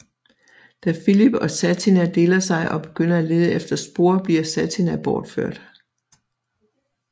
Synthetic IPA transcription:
d̥æfilib̥ɒ̽sæt͡sʰinæd̥e̝ːlɐsɑ̈ɪʔɒ̽b̥e̝ɡ̥øn̰ɐæle̝ð̞ˠəefd̥ɐsb̥o̝ɐ̰b̥liɐsæt͡sʰinæb̥ɒːd̥føɐ̰d̥

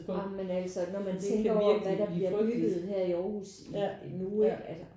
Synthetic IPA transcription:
mːenæl̰sɒnɒmænt͡sʰeŋɡ̥ɐɒmʋæd̥ɑ̈b̥liɐ̥yɡ̥ð̩ˠɦeɐ̰iɒːhṵs | nuælsɐ

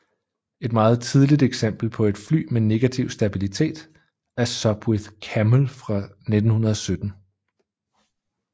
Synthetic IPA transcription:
e̝d̥mɑ̈ːð̞̩ˠt͡sʰið̞ˠlid̥eɡ̥sem̰b̥l̩pʰɒ̽e̝d̥fly̰ːmene̝ɡ̥æt͡sʰiʊ̰sd̥æb̥ilit͡sʰe̝̰ːd̥ | æɐsɒ̽b̥weðˠkʰæməlfʁɑ̈ | ned̥n̩hunɐðˠɒ̽sød̥n̩

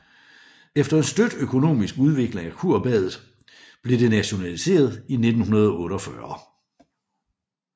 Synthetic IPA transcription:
efd̥ɐe̝nsd̥ød̥økʰo̝no̝̰ːmisɡ̥uð̞ˠʋe̝ɡ̥le̝ŋækʰuɐ̰b̥ɛ̰ðˠð̩ˠ | b̥le̝ɾ̥e̝næɕo̝nælise̝̰ːɐð̞ˠine̝d̥n̩hunɐð̞ˠɔ̽ːɾɒfɶɐ

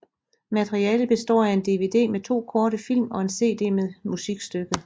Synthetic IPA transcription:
mæt͡sʰʁiɛːləb̥e̝sd̥ɒ̰ːæe̝nd̥e̝ʋe̝d̥e̝̰ːmet͡sʰo̝̰ːkʰɒːɾəfil̰mɒ̽e̝nse̝̰ːd̥e̝̰ːmeðˠmusiɡ̥sd̥øɡ̥ə

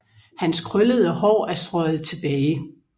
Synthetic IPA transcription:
hænskʰʁœləð̞ˠəhɒ̰ːæɐsd̥ʁɒɪð̞̩ˠt͡sʰe̝b̥ɛːɪ

